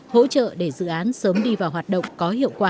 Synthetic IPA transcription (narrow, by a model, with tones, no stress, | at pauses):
ho̰˧˥t͡ɕə̰ː˧˨ɗe˧˩zɨ̰˧˨ʔaː˨˦nsəː˨˦mɗi˧vaː˨˩wɦwaː˨˩t̚ɗə̰˧˨wŋ͡mkɔ˨˦hḭ˧˨əwkwaː˧˩